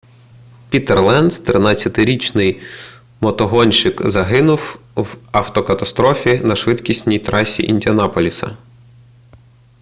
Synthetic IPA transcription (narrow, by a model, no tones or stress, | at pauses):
pʲit̪erlˠɛnd̪st̪ɾɪnɑt͡sʲːɐt̪ɪɾʲit͡ʃnɪj | mɔt̪ɔɦɔnʲʃɪkzɐɦɪnʊwwɐwt̪ɔkɐt̪ɐst̪ɾɔfʲinɐʃʋɪt̪kʲisʲtʲnʲijt̪ɾɑsʲḭʔinʲdʲiɐnɑpɔlʲisɐ̰